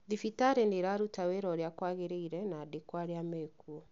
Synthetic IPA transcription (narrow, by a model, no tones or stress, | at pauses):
ðifitaɾeneɾaɾutaweɾɔɾjakwaɣeɾeiɾɛnaːdekwaɾjameːkuɔ